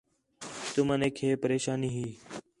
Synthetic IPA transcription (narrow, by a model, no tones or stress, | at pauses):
t̪ʊməneːkʰeːpəɾeːʃaːniːɦiː